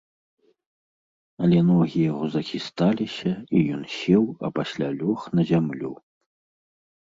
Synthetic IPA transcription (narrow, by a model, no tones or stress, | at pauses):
ɐlʲɛnɔɣʲijaɣɔzɐxʲist̪alʲisʲɐijɔnsʲɛwɐ̰pasʲlʲalʲɔxnɐzʲamlʲu